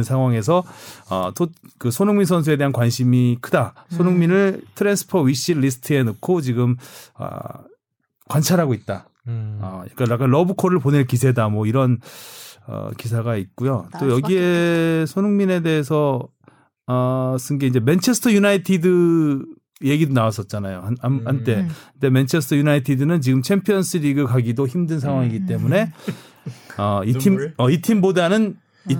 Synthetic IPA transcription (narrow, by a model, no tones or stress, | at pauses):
nsʰaŋɦwaŋe̞s̬ʰʌʌ̰tokɯsʰonɯŋminsʰʌns̬ʰue̞de̞ɦankwanɕʰimikʰɯdasʰonuŋminɯɭtʰɯɾensʰɯ̥pʰʌɥiɕ͈iːisʰɯ̥tʰɯe̞nɯkʰot͡ɕiɡɯmʌ̰ | kwant͡ɕʰaɾɦaɡoit̚t͈a | ʌ̰ja̰k͈anjak͈anlʌbɯkʰʌɾɯɭpone̞ɭkis̬ʰe̞damwʌiɾʌn | ʌ̰kis̬ʰaɡait̚k͈ujot͈ojʌɡiesʰonuŋmine̞de̞ːsʰʌ | s͈ʰɯnɡe̞ind͡ʑe̞ment͡ɕʰe̞sʰtʰʌjunaitʰidɯ | je̞ɡidonawas͈ʌt̚t͡ɕ͈anajoanhant͈e̞nde̞ment͡ɕʰe̞sʰɯ̥tʰʌjunaitʰidɯnɯnt͡ɕiɡɯmt͡ɕʰe̞mpʰijʌns͈ɯɾiɡɯɭkaɡidoçimdɯns̬ʰaŋɦwaŋiɡit͈e̞mune̞ | ʌitʰimʌitʰimbodanɯn | i